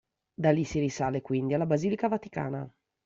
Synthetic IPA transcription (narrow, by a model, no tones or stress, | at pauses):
d̪alisiɾisaːlekwind̪ialːabaziːlikavat̪i̥ka̰ːna̰